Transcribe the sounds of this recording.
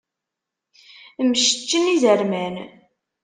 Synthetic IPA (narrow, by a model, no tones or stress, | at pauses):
məʃə̥t͡ʃːənizəɾmæn